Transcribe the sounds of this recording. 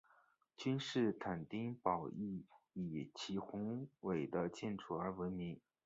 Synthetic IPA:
t͡ɕy˥nʂɻ̩˥˩t̪ʰa˨˩nt̪i˥ŋpɑ˨˩ʊi˥˩i˨˩t͡ɕʰi˧˥xʊ˧˥ŋwe˨˩ɪd̪ə˦t͡ɕjɛ˥˩nʈ͡ʂʰu˨˩ə˞˧˥wə˧˥nmi˧˥ŋ

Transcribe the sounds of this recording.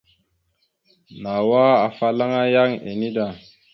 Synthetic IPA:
na˨wa˦a˨fa˦la˦ŋa˦ja˦ŋḛ˨ni˦da˨

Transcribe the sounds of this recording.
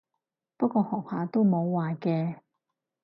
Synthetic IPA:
pɐ˥kʷɔː˧hɔː˨˩k̚haː˨˧t̪o˥wmo˨˧wːaː˨kɛː˧

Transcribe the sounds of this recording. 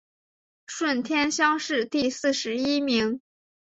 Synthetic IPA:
ʂwə˥˩nt̪ʰjɛ˥nɕjɑ˥ŋʂɻ̩˥˧t̪i˥˧sɹ̩˥˩ʂɻ̩˧˥i˥mi˧˥ŋ

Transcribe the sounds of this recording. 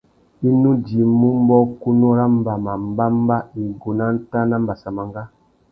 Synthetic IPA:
i˦nu˦d͡ʒi˨mmu˦m˦bɔ˦ku˦nu˦ɾa˦m˦ba˨ma˨m˦ba˦m˦ba˦i˨ɡo˨na˦n̩˦ta˦na˦m˦ba˨sa˨ma˨ŋɡa˦

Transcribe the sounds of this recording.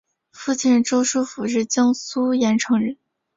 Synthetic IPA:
fu˥˧t͡ɕʰi˥˩nɻʈ͡ʂo˥ʊʂu˥fu˨˩ɻɻ̩˥˩t͡ɕjɑ˥ŋsu˥jɛ˧˥nʈ͡ʂʰɤ˧˥ŋɻə˧˥n

